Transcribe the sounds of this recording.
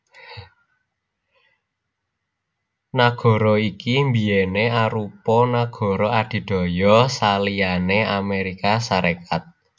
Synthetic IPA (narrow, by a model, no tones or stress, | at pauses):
naɡ̥ɔ̤ɾɔikimbijeneaɾupɔnaɡ̥ɔ̤ɾɔad̪̥i̤d̪̥ɔ̤jɔsalianeameɾikasaɾekat̪̚